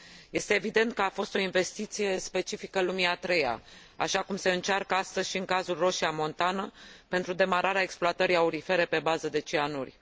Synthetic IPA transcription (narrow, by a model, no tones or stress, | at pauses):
je̞st̪e̞ːvid̪e̞nt̪̚kəafo̞st̪o̞inve̞st̪it̪sije̞spe̞t͡ʃifikəlumiat̪ɾe̞ja̰ | a̰ʃakumse̞ɨnt͡ʃarkəast̪əzʲʃiɨŋkazulro̞ʃiamo̞nt̪anəpe̞nt̪ɾud̪e̞maɾʔaɾeae̞ksploat̪əɾiauɾife̞ɾe̞pe̞bazəd̪e̞t͡ʃianṵrʲ